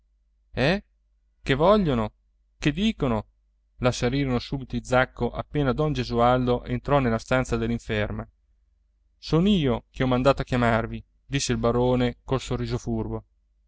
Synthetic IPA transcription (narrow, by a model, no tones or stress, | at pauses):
ɛ | kevɔʎːono | ked̪ːiːkono | lasaɾiːɾonosuːbit̪oid̪zakːoʔapːeːnad̪ɔnd͡ʒezuald̪oʔent̪ɾɔnelːast̪ant̪sad̪elːiɱfɛrma | soːnoiːokeɔmand̪aːt̪oakːjamarvi | d̪isːeilbaɾoːnekolsorːiːzofurbo